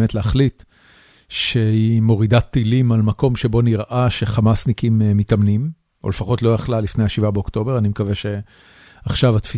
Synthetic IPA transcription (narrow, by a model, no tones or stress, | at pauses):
metleaχlit | ʃe̞imo̞ʁidat̪ːilimalmako̞mʃe̞bo̞niʁʔaʃe̞χamasnikimeːitamnim | o̰lefaχo̞tlo̞jaχlalifnejaʃivabeokto̞beʁanimekaveʃe̞ | aχʃavat̪fi